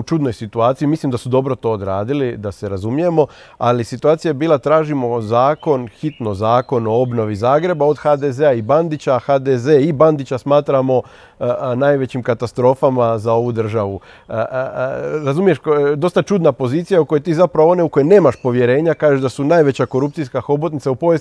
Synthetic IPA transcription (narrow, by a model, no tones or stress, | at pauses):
ut͡ʃud̪no̞jsit̪uaːt̪sijimislimd̪asud̪o̞bɾo̞t̪o̞od̪ɾaːd̪ilid̪ase̞ɾazumije̞mo̞ | alisit̪uaːt̪sijajebiːlˠat̪ɾaːʒimo̞zaːko̞nxit̪no̞zaːko̞no̞o̞bno̞ʋizaːɡɾe̞bao̞d̪xad̪ezeaiband̪it͡ɕaxad̪ezeːiband̪it͡ɕasmaːt̪ɾamo̞ | najʋe̞t͡ɕimkat̪ast̪ɾo̞famazao̞ʋud̪r̩ʒaʋu | ɾazumijeʃd̪o̞st̪at͡ʃud̪napo̞ziːt̪sijauko̞jet̪iːzapɾaʋoo̞ne̞uko̞jene̞ːmaʃpo̞ʋje̞ɾe̞ːɲakaːʒeʒd̪asunajʋe̞t͡ɕako̞ɾup̚t̪sijskaxobot̪nit̪saupo̞ʋjes